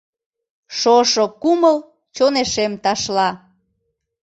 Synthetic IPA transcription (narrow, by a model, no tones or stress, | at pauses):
ʃoʃokuməl | t͡ɕoneʃemt̪ɑʃlɑ